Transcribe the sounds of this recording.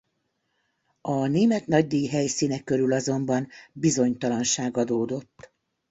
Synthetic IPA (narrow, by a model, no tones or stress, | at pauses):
ɒneːmɛt̪nɒɟ̚d̪ijiɦɛjsiːnɛkːøɾylɒzo̞mbɒnbizo̞ɲt̪ɒlɒnʃaːɡɒd̪oːd̪o̞t̪ː